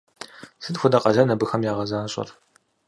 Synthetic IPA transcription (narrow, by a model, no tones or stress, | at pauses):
sɨdxʷʊdɐqʼɐɮɐnɐbɨxɐmjaːʁɐzaːɕʼɐ̰r